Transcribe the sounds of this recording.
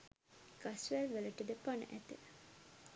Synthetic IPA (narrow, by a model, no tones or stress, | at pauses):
ɡ̥asʋælʋæləʈəd̪əpanə̰ʔæt̪e